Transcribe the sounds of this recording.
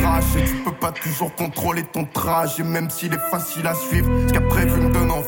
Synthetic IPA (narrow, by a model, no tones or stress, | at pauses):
aʃet̪ypøpat̪uʒuʁkɔ̃t̪χolet̪ɔ̃t̪χaʃemɛmsiːlɛfasilasɥivʁkapχɛvynd̪ɔnɑ̃